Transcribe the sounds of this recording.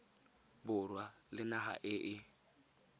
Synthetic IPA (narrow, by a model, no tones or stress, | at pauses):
bʊrwalɪnaɦa̰ʔɪʔɪ